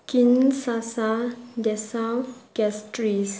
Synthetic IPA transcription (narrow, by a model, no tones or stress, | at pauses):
kinsasadɛsawɡɛstɾis